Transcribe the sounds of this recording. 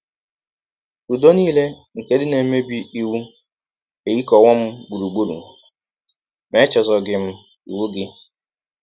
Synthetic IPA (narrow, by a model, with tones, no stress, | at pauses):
u˨do˦niː˦le˦ | ŋ̩˨ke˦dɪ˦ne˨˦me˦bi˦i˦wu˦ | e˨ji˦kɔ˨wɔ˦m̩˦ɡ͡bu˨ɾu˨ɡ͡bu˦ɾṵ˨ | me˦t͡ʃɔ˨zɔ˨ɡɪ˨m̩˦ | i˨wu˦ɡɪ˦